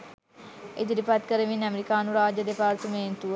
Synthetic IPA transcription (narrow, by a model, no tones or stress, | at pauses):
ed͡ʒ̪dipat̪kəɾəʋinɐmeɾikaːnuɾaːd͡ʒəd̪epaːɾt̪umeːnt̪u